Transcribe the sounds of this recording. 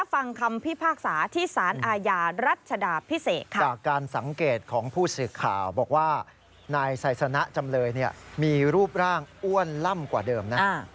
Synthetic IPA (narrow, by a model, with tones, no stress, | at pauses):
la˦˥fa˧ŋkʰa˧mpʰi˥˩pʰaː˥˩k̚saː˩˦t̪ʰiː˥˩saː˩˦nʔaː˧jaː˧ɾa˦˥˩t̪̚t͡ɕʰa˧daː˧pʰi˦˥seː˨˩t̪̚kʰa˦t͡ɕaː˨˩kːaː˧nsa˩˦ŋkeː˨˩t̪̚kʰɔː˩˦ŋpʰuː˥˩sɯː˨˩kʰa̰ː˨˩wbɔː˨˩k̚waː˥˩ | naː˧jsa˨˩˦jsa˧na˦˥ʔt͡ɕa˧mlɤː˧jni˥˩ɐmiː˧ɾuː˥˩p̚ɾaː˥˩ŋʔu˥˩ənla˥˩mkwaː˨˩dɤː˧mna˦˥˧